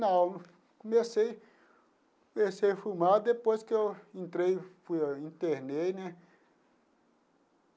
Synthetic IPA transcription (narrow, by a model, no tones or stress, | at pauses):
nɐ̃w | kõmesej | komesejfumaɾd̪epojskɪewẽnt̪ɾejfujaĩnt̪eɾnejnɛ̃